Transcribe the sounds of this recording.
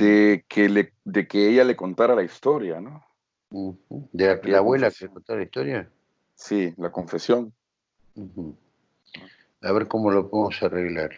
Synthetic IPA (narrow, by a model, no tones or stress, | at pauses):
d̪̥ekʰele | d̪e̞keeʝale̞ko̞nt̪aɾalaist̪o̞ɾjano | xud̪elaklaβwelakesekont̪aɾalaist̪oɾja | silako̞ɱfe̞sjo̞n̩ | xm̩ | aβeɾkomolopoðemosareɣlaɾ